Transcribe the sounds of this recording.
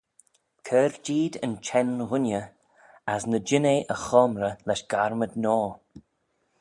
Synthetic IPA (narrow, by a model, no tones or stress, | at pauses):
kʰɛːɾd͡ʒiːd̪ə̰nt͡ʃʰɛnɣʊnʲjə | asnəd͡ʒɪneʔəxɔːmɾəlɛʃɡ̥aɹmədnɔː